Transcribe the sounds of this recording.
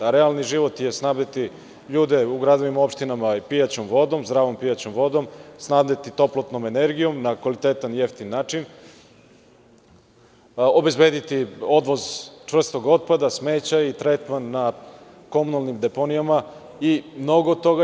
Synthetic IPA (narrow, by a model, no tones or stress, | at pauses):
ɾealniʒiʋo̞t̪jesnaːvnet̪i | ʎuːd̪e̞uɡɾad̪oʋimo̞pʃt̪inamapijat͡ɕomʋo̞d̪o̞mzd̪ɾaːʋo̞mpijat͡ɕomʋo̞d̪o̞msnaːvnet̪it̪o̞plˠot̪no̞me̞ne̞ɾɡijo̞mnakʋalit̪et̪anjeft̪inːaːt͡ʃin | o̞be̞zbe̞ːd̪it̪io̞d̪ʋozt͡ʂʋr̩st̪o̞ɡo̞t̪̚pad̪asme̞ːt͡ɕait̪ɾet̪manːa | ko̞munalˠnimd̪epo̞nijama | imno̞ɡot̪ːo̞ɡa